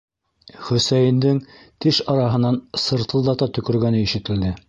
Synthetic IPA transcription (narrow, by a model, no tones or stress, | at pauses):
χɵ̆sæjɘ̆nd̪ɘŋ | t̪ɘʃɑɾɑɦɤ̆nːɑnsɤ̆ɾt̪ɤ̆lˠd̪ɑt̪ɑt̪ɵ̆kɵ̆ɾɡænɘiʃɘ̆t̪ɘ̆ld̪ɘ